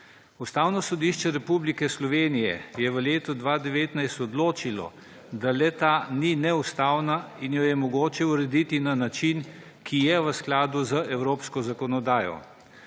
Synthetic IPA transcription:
ust̪aːwnɔsɔd̪iʃt͡ʃɛɾɛpublikɛslɔʋeːnijɛ̰jɛʋəleːt̪ɔd̪ʋaːd̪ɛʋeːt̪najst̪ɔd̪loːt͡ʃilɔ̰ | d̪alɛt̪aːninɛust̪aːwnainjɔjɛmɔɡoːt͡ʃɛuɾɛd̪it̪inanat͡ʃin | kʰijɛʋəsklaːd̪uzəʔɛwɾoːpskɔzakɔnɔd̪aːjɔ̰

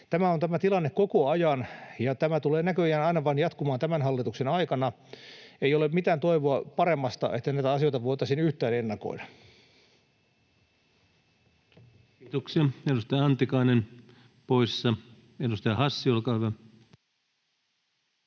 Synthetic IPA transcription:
t̪æmæont̪æmæt̪ilɑnːekokoɑjɑnjɑt̪æmæt̪uleːnækøjæːnɑinɑʋɑnjɑt̪kumɑːnt̪æmænɦɑlːit̪uksenɑikɑnɑ | eijolemmit̪æːnt̪o̞iʋoɑpɑɾemːɑst̪ɑ̰ʔet̪ːænæit̪æɑsiojt̪ɑʋoit̪ɑsinyht̪æːnenːɑko̞̰idɑ | kiːt̪oksiɑedust̪ɑjɑɑnt̪ikɑinen | poisːɑ | edust̪ɑjɑhɑsːiolkɑːhyʋæ

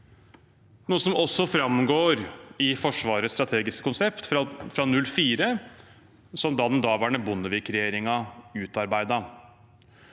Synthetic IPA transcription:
nuːəsɔmɔsːɔfɾɑmɡoːɾɪfɔʂʋɑːɾəst̪ɾɑt̪ʰeːɡɪskə̥kʊnsɛpt̪fɾɑnʉlfiːɾə | sɔmd̪ɑːd̪ɛnd̪ɑːʋæːɳəbʊnːəʋɪːkɾɛjeːɾɪŋɑʉːt̪ɑɾbæɪd̪ɑ

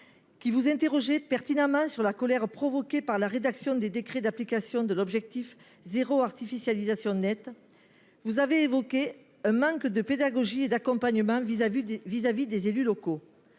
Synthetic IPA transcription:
kʲivuzɛ̃nt̪eʁɔʒepɛʁt̪inãmɑ̃syʁlakɔlɛʁpχɔvɔkepaʁlaʁed̪aksjɔ̃d̪ed̪ekχed̪aplikasjɔ̃d̪əlɔbʒɛk̚t̪if | zeʁoaʁt̪ifisjalizasjɔ̃nɛt̪ | vuzaveːvɔke | ɛ̃mɑ̃kd̪əped̪aɡɔʒied̪akɔ̃mpaɲəmɑ̃vizavid̪ezelylɔko

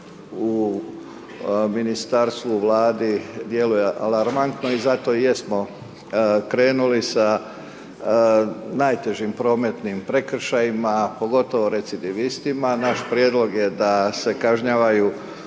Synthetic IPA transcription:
u | minist̪aɾst̪ʋuʋlaːd̪id̪je̞lujeʔalaɾmant̪no̞izat̪o̞je̞smo̞ | kɾe̞ːnulisa | najt̪e̞ʒimpɾo̞ːme̞t̪nimpɾe̞kr̩ʃajimapo̞ɡo̞t̪o̞ʋo̞ɾe̞t̪sid̪iʋist̪imanaʃpɾjeːd̪lˠo̞ɡje̞d̪ase̞kaʒɲaːʋaju

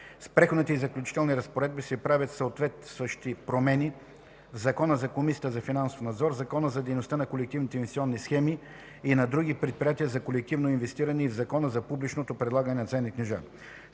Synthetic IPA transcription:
spɾɛxod̪nit̪ɛizɐklʲʊt͡ʃi̥t̪ɛlˠniɾəspoɾɛd̪̚bisɛpɾavʲət̪sɐot̪vɛt̪svəʃt̪ipɾomɛni | vzɐkɔnəzɐkomisiət̪əzɐfinanso̥fnɐd̪zɔɾzɐkɔnəzɐd̪ɛjnost̪anɐkolɛk̚t̪ivnit̪ɛinvɛst̪iɔnːisxɛmi | inɐd̪ɾuɡ̟ipɾɛt̪̚pɾijat̪iəzɐkolɛk̚t̪ivnoinvɛst̪iɾɐnɛivzɐkɔnəzɐpublit͡ʃnot̪opɾɛd̪lˠaɡənɛnɐt̪sɛnːiknɛʒa̰

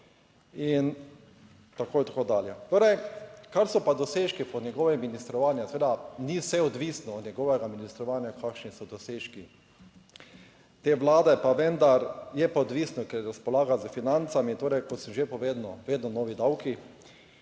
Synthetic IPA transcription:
in | t̪akoːjɛt̪akoːd̪aːljɛt̪oːɾɛjkaɾsɔpad̪ɔseːʃkipɔnʲjɛɡɔːʋɛminist̪ɾɔʋaːnjaseʋeːd̪anisɛɔd̪ʋiːsnɔːd̪nɲɛɡɔːʋɛɡaminist̪ɾɔʋaːnjakʰakʃnisɔd̪ɔseːʃki | t̪eːʋlaːd̪ɛpaʋɛ̃nd̪aɾjɛpaɔd̪ʋiːsnɔkɛɾɾaspɔlaːɡazəfinant̪samit̪oːɾɛjkɔt̪səʒepɔʋeːd̪nɔʋeːd̪nɔnɔːʋid̪awki

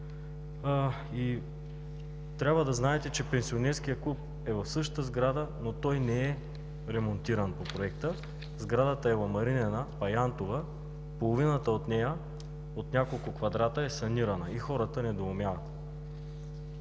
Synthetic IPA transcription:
i | t̪ɾʲabvəd̪ɐznaɛt̪ɛt͡ʃɛpɛnsionɛɾskijəklˠup̚ | ɛvɐfsɤʃt̪əzɡɾad̪ənot̪ɔjnɛɛ | ɾɛmont̪iɾənpopɾoɛk̚t̪ə | zɡɾad̪ət̪əɛvɐmɐɾinɛnəpɐjant̪ovə | polˠovinət̪əot̪nɛjə | ot̪nʲakolˠkʊkvɐd̪ɾat̪əɛsɐniɾɐnəixɔɾət̪ənɛd̪oomʲjavət̪

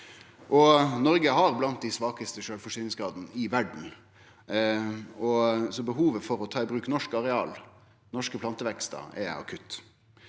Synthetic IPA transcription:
ʔɔnɔɾɡəɦɑɾblɑnt̪̚d̪æɪsʋɑːkəst̪əʃøːlfɔʂyːnɪŋsɡɾɑːd̪ənəɪʋæɖɳ̩ | ɔsɔbəɦuːʋəfɔɾɔt̪ʰɑːɪbɾʉːknɔʂkɑɾɛɑːl | nɔʂkəpʰlɑnt̪əʋɛkst̪ə̰ɛ̰ɑ̰kʰʉt̪ː

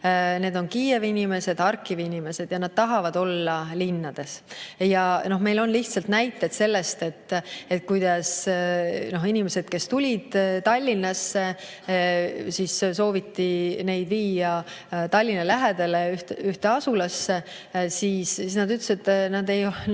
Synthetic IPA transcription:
ne̞ːd̪o̞nkiːjevinʲime̞se̞d̪̥ɑrkːˑivinʲime̞se̞d̪̥jɑnɑd̪̥̚t̪ɑɦɑvɑd̪̥o̞lːɑlinːɑd̪̥e̞sjɑno̞hme̞jlo̞nliht̪sɑlt̪næjt̪ːˑed̪̥se̞lːe̞st̪e̞t̪ːˑet̪̚ːˑkujd̪̥ɑs | no̞ɦinʲime̞se̞d̪̥ke̞st̪ulʲid̪̥t̪ɑlʲːinːɑsːe̞ | sisso̞ːvit̪ːine̞jd̪viːjɑ | t̪ɑlʲːinɑlæɦed̪̥e̞leyht̪yht̪e̞ɑsulɑsːe | siːssisnɑd̪yt̪lesit̪nɑd̪ej

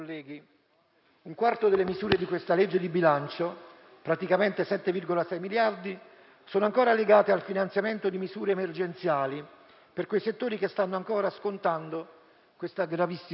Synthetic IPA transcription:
lːɛːɡi | uŋkwart̪od̪elːemizuːɾed̪ikwest̪aled͡ʒːed̪ibilant͡ʃo | pɾat̪ikament̪esɛt̪ːevirɡolasɛjmiljard̪i | soːnoaŋkoːɾaleɡaːt̪ealfinant̪sjament̪od̪imizuːɾeːmerd͡ʒent̪sjaːli | perkwejset̪ːoːɾikest̪anːoaŋkɔːɾaskont̪and̪o | kwest̪aɡɾavisːi

